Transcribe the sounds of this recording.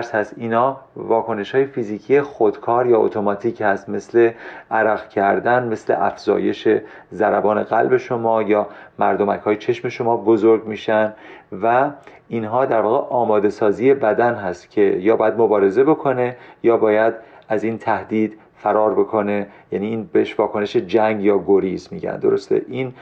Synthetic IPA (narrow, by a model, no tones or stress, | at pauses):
ɾshæst̪iːnhɒːvɒːkʰo̞ne̞ʃhɒːjefiːziːcʰije̞xod̪̥kʰɒːɾjɒːo̰t̪ʰo̞mɒt̪ʰiːchæst̪me̞sle̞ʔæɾæɣcʰæɾd̪ænme̞sle̞̰ʔæ̰fz̥ɒ̰ːje̞ʃe̞ | zæɾæbɒːne̞ɣælbe̞ʃo̞mɒːjɒːmæɾd̪omæchɒːjet͡ʃʰe̞ʃme̞ʃo̞mɒːbozoɾɟmiːʃænvæinɦɒːd̪æɾvɒːɣeʔɒːmɒːd̪e̞sɒːziːje̞bæd̪ænɦæst̪cʲʰe̞jɒːbɒːjæd̪mobɒːɾe̞ze̞bo̞kʰo̞ne̞jɒːbɒːjæd̪æziːnt̪ʰæhd̪iːd̪ | fæɾɒːɾbe̞kʰo̞ne̞jæniːnbeeʃvɒːkʰone̞ʃed͡ʒæŋɡjɒːɡoɾizmiːɟæ̰nd̪o̞ɾost̪ḛʔiːn